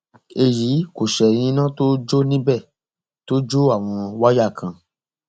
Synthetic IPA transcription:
e˧ji˨˦ko˨ʃɛ˨ɾ̃ĩ˧˦nã˦to˦d͡ʒo˦nĩ˦bɛ˦˨ | to˦d͡ʒo˦a˦˨w̃ɔ̃˧wa˦ja˦˨kʰã˨

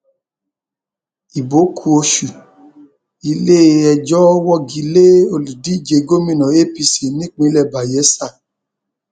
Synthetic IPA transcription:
i˨bo˨˦kʰu˧o˧ʃu˨ | i˧le˦˧ɛ˧d͡ʒɔ˦wɔ˦˨ɡi˨˦le˦o˧˨lu˨di˨˦˨d͡ʒe˧ɡo˦mĩ˦˨nɔ̃˨˦e˦˨pi˧si˨nĩ˦k͡pĩ˧lɛ˦˨ba˨jɛ˨˦sa˦˨

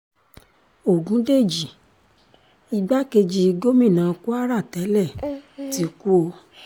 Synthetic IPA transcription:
o˨ɡũ˨˦de˦˨d͡ʒi˨ | i˧ɡ͡ba˦ke˧d͡ʒi˧ɡo˦mĩ˦˨nãː˨˧ku˦a˦ɾa˦˨tɛ˨˦lɛ˦˨ti˨˦ku˦o˧

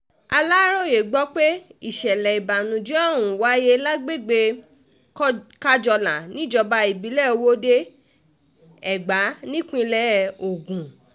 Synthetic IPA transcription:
a˧la˦ɾo˦˨je˨ɡ͡bɔ˦k͡pe˦i˦˨ʃɛ˨lɛ˨i˨ba˨nũ˨d͡ʒi˦a˦˨w̃ũ˨wa˨˦je˧˦la˦ɡ͡be˦˨ɡ͡be˧˦ | ka˦d͡ʒɔ˧lã˨nĩ˦d͡ʒɔ˧ba˧i˨bi˨˦lɛ˦˨o˧wo˦de˦ | ɛ˨ɡ͡ba˨˦nĩ˦k͡pĩ˦˧lɛ˦˨o˨ɡũ˨

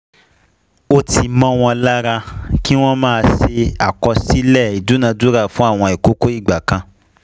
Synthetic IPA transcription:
o˦ti˧mɔ̃˦w̃ɔ̃˧la˦ɾa˧ki˦w̃ɔ̃˦mãː˦˧se˧a˨kɔ˧si˦lɛ˦˨i˨du˨˦nã˧du˦ɾa˦˨fũ˦a˦˨w̃ɔ̃˧e˨ko˦ko˦i˦˨ɡ͡ba˨kã˧

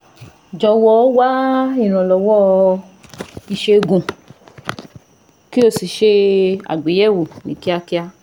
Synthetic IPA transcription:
d͡ʒɔ˧wɔ˧˦wa˦i˦˨ɾ̃ã˨lɔ˨wɔ˦ | i˨ʃe˧ɡũ˨ | ki˦o˧˨si˨ʃe˧a̰˨ɡ͡be˨˦jɛ˦˨wu˨nĩ˨ki˦a˧ki˧a˧

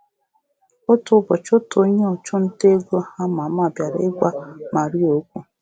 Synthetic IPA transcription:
ʊ˦tʊ˨˦bɔ˨t͡ʃʊ˦to˦ɲe˦ɔ˨t͡ʃʊ˦n̩˦te˦ɡo˦ha˦ma˨ma˦˨bja˨ɾḛ˦ɡʷa˦ma˨ɾi˦o˨˦kʷu˦

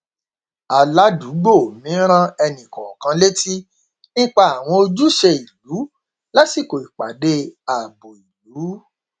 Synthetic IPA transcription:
a˨la˦du˨˦ɡ͡bo˦˨mĩ˨˦ɾ̃ã˦ɛ˧nĩ˨kɔ˨kã˧˦le˦ti˦ | nĩ˦k͡pa˧a˨w̃ɔ̃˧o˧d͡ʒu˦ʃɛ˧i˨lu˨˦ | la˦si˦˨ko˨i˨k͡pa˨de˧˦a˨bo˨i˨lu˨˦

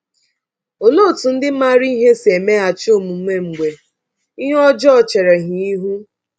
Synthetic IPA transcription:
o˨no˦˨tu˨n̩˦dɪ˦ma˦ɾi˦i˦ɦe˦se˨me˦a˨t͡ʃo˦˨mu˨m̩˦me˦ŋ͡m̩˨ɡ͡bʷe˨ | i˦ɦɔ˦d͡ʒɔ˦ɔ˨t͡ʃe˨ɾe˨ɦi˨i˦ɦu˦

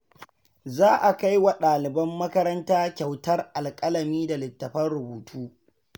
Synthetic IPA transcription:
zaː˦ʔa˨ka˦jwa˨ɗaː˨lɪ˨bɐ˦mːɐ˦kɐ˦ɾɐ˦ntaː˦kʲa˨wtɐ˦rʔa˨lkʼɐ˦lɐ˨miː˦da˨lɪ˨tːɐ˨ɸɐ˦nɽʊ˨buː˨tʰuː˦

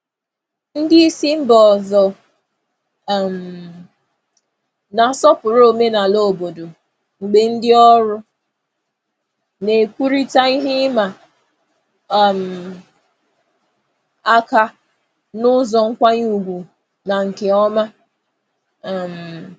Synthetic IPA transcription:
n̩˦dɪ˦i˦si˦m̩˦bɔ˨zɔ˨ | m̩˨ | na˨sɔ˦pʊ˨ɾo˦˨me˦na˨lo˦˨bo˨do˨ | ŋ͡m̩˨ɡ͡be˦n̩˦dɪ˦ɔ˦ɾʊ˦ | ne˨kʷu˦ɾi˦ta˦i˦ɦɪ˦ma˨ | m̩˨ | a˦ka˦ | nʊ˦zɔ˨ŋ̩˦kʷa˦ɲ˦u˨ɡʷu˨ | na˨ŋ̩˨ke˨ɔ˦ma˦˨ | m̩˨

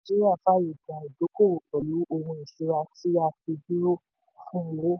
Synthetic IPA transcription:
d͡ʒi˦i˦a˦˨fa˦ji˨ɡa˨i˨do˨˦ko˦˨o˨k͡pɔ˨lu˨˦o˧hũ˧i˨ʃu˧˦ɾa˧ti˦a˧fi˧bi˦ɾo˦ | fũ˦˨wo˦

